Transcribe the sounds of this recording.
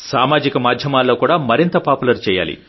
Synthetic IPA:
saːmaːd͡ʒikɐmaːd̪ʱjɐmaːlːoːkuːɽaːmɐɾint̪ɐpaːpulɐɾt͡ʃɛːja̰ːlḭ

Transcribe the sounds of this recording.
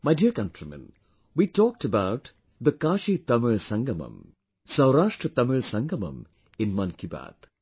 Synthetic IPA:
maɪdiəɾkɐ̃ntɾimɛ̰̃n | wiːtɔːk̚təbaʊt | d̪əkaːʃit̪ɐmɪɭsɐ̃ŋɡɐmə̰̃m | sɐʊɾaːʃʈɾət̪ɐmɪɭsɐ̃ŋɡɐmɐ̰̃m | ɪ̃nmɐ̃nkiba̰ːd̪̥

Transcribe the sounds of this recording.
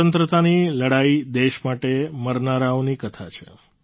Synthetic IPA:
ənt̪ɾət̪aniləɽaid̪eʃmaʈeməɾnaɾaonikət̪ʰa̰t͡ʃʰḛ

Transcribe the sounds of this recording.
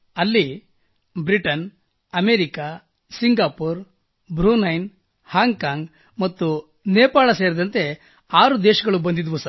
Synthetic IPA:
ɐlːi | bɾiʈɐn | ɐmeːɾika | siŋɡaːpuːɾ | bɾuːnɐjn | haːŋɡkaːŋɡ | mɐt̪ːu | neːpaːɭɐseːɾɐd̪ɐnt̪e̞ | aːɾud̪eːʃɐɡɐɭubɐnd̪id̪ʋusɐɾ

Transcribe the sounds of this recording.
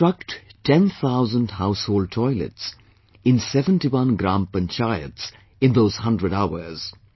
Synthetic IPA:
ɾʌk̚ʈʈʰɛ̃nt̪ʰaʊzə̃nɖhaʊshoːlɖ̚ʈʰɔɪlə̰ʈs | ɪ̃nsɛvə̃nʈiwʌ̃nɡɾãːmpə̃nt͡ʃaɪə̰ts | ɪ̃nd̪oːz̥hʌ̃ndɾəɖaʊə˞z̥

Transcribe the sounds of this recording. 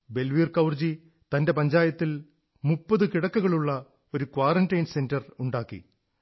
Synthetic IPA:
be̞lʋiːrkɐwrd͡ʑi | t̪ɐnde̞pɐɲd͡ʑaːjɐt̪ːil | mupːɐðɨkiɽɐkːuɣɐɭuɭːɐ | o̞ɾukwaːrɐndɐjnse̞ndɐruɳɖaːkːḭ

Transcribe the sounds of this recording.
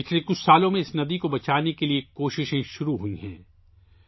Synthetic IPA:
pɪt͡ʃlekʊt͡ʃʰsaːlõmẽɪsnɐd̪ikobɐt͡ʃaːnekeliekoːʃɪʃẽʃʊɾuɦuiɦɛ̰̃ː

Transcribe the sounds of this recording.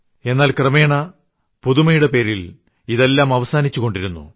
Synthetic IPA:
e̞nːaːlkrɐme̞ːɳɐ | puðumɐjuɽe̞pe̞ːɾil | iðe̞lːaːmɐʋɐsaːnit͡ɕːuɣo̞ɳɖiɾunːṵ

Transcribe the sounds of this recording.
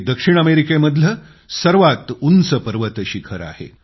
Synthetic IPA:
d̪əkʂiɳ̃əmeɾikeməd̪ʱlə | səɾʋat̪unsəpəɾʋət̪əɕiːkʰəɾa̰hḛ

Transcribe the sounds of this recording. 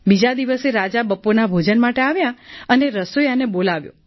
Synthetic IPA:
bid͡ʒad̪iʋəseɾad͡ʒabəpːonabʱod͡ʒənmaʈeaʋjaəneɾəsojanebolaʋjo̰

